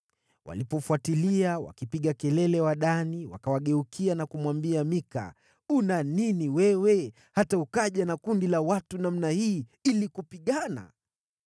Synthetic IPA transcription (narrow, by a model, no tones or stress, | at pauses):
wʔa̰lipɔfuatiliawa̰kipiɠakɛlɛlɛwaɗaniwa̰kawaɠɛukʰianakumwambiamika̰ | unaniniwɛwɛ | hataukaʄanakundilawatunam̩nahiːilikupiɠana̰